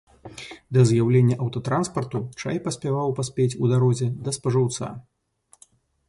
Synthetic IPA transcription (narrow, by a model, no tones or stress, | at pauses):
d̪ɐzjawlʲenʲːɐʔɐwt̪ɐt̪ɾanspɐrt̪ut͡ʂa̰jpɐsʲpʲavawpasʲpʲet͡sʲud̪aɾɔzʲɛd̪ɐspɐʐɨwt̪sa̰